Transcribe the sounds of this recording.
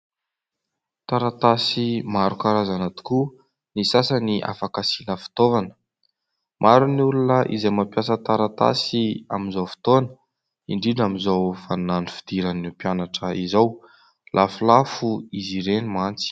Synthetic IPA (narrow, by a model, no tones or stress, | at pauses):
t̪aɾat̪asimaɾukaɾazanat̪u̥ku | nisasaniʔa̰fakasinəfi̥t̪ovanə̥ | mʔaɾunulunəʔḭzejmapjasət̪aɾat̪a̰sia̰minzowfi̥t̪onə̥ | iɳɖ͡ʐiɖ͡ʐamizawfananifi̥d̪̥iɾanipjanaʈ͡ʂəizaw | lʔafulafuiziɾenimant͡si̥